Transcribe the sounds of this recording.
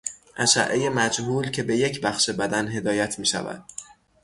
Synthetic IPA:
ʔæʃæ̰ʔːeje̞mæd͡ʒhuːlcʰe̞be̞je̞cʰbæxʃebæd̪ænɦe̞d̪ɒːjæt̪ʰmiːʃæ̰væ̰d̪̥̚

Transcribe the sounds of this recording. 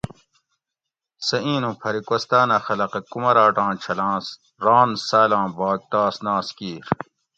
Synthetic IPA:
sɐʔĩːnũpʰɐɾikɐst̪aːnɐxɐlɐqɐkumɐɾaːʈãːt͡ɕʰɐlãːs | ɾãːnsaːlãːbaːɡ̚t̪aːsnãːskiːɾ

